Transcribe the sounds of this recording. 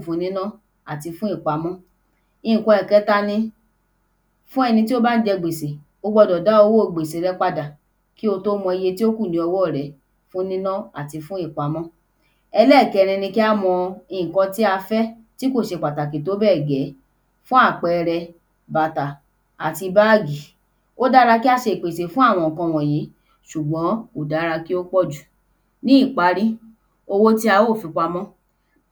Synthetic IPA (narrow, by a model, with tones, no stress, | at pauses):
fũ˨˦nĩ˦nã˦ | a˨ti˧fũ˦i˦˨k͡pa˨˦mɔ̃˦ | i˧˨ĩ˨kɔ̃˧ɛ˨kɛ˨˦ta˧nĩ˧ | fũ˦ɛ˧nĩ˧t̬i˦o˦ba˦n̩˦d͡ʒɛ˧ɡ͡be˨se˨ | o˧ɡ͡bɔ˧dɔ˨da˨˦o˧wo˦o˦˧˨ɡ͡be˨se˨ɾɛ˨˦k͡pa˧da˨ | ki˦o˧to˦mɔ̃˧i˧je˧ti˦o˦kũ˦˨nĩ˨˦ɔ˧wɔ˦˨ɾɛ˨˦ | fũ˦nĩ˦nã˦a̰˦˨ti˧fũ˦i˦˨k͡pa˨˦mɔ̃˦ | ɛ˧lɛ˦˨kɛ˨˧ɾ̃ĩ˧nĩ˧ki˦a˦mɔ̃˧ĩ˧˨kɔ̃˧ti˦a˧fɛ˦ | ti˦ko˦˨ʃe˧˨k͡pa˨ta˨ke˨to˨˦bɛ˦˨ɡɛ˨˦ | fũ˦a˦˨k͡pɛ˧ɾɛ˧ | ba˨ta˨ | a˨ti˧ba˦˨ɡi˨ | o˦da˦ɾa˧ki˦a˧ʃe˧˨k͡pe˨te˨fũ˦a˦˨w̃ɔ̃˧˨kɔ̃˧w̃ɔ̃˨je˨˦ | ʃu˨ɡ͡bɔ̃˨˦o˨da˦ɾa˧ki˦o˦k͡pɔ˦˨d͡ʒu˨ | nĩ˦i˦˨k͡pa˨˧ɾi˦ | o˧wo˦ti˦a˧wo˦˨fĩ˧k͡pa˧mɔ̃˦